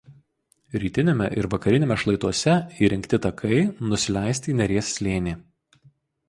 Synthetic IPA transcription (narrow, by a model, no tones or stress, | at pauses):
ɾʲiːt̪ʲɪnʲemʲɛ̰ʔɪɾʋɐkɐɾʲɪnʲeːmʲɛʃlˠɐɪt̪uɔsʲɛiːɾʲɪŋʲkʲt̪ʲɪt̪ɐkʰɐɪnʊsʲɪlʲæˑɪsʲt̪ʲiːnʲɛɾʲiɛsːʲlʲeːnʲiː